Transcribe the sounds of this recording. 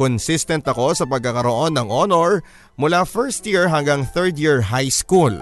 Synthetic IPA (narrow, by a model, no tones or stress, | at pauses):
konsist̪ɛnt̪ɐko̞sɐpɐɡ̚kɐkɐɾoʔo̞nːɐŋʔonoɹ | mʊlafɛɹst̪jiɹɦɐŋɡɐŋθɛɹd̪jiɹɦajskul